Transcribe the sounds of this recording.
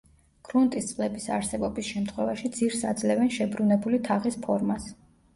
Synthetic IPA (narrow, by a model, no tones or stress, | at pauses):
ɡ̥ʰɾunt̪ʼist̪sʼlɛbisa̰ɾsɛbɔbisʃɛmt̪ʰχwɛvaʃid̪ziɾsad̪zlɛvɛnʃɛbɾunɛbulit̪ʰaʁispʰɔɾmas